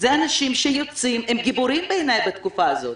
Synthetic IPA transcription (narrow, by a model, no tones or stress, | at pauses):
zeanaʃimʃejot͡simemɡibuɾimbejnajbat̪kufaːzo̞t̪